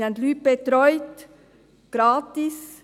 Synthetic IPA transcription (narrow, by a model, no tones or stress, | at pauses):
ant̪lyːt̚b̥et̪ɾɔʏt | ɡ̥ɾaːtɪs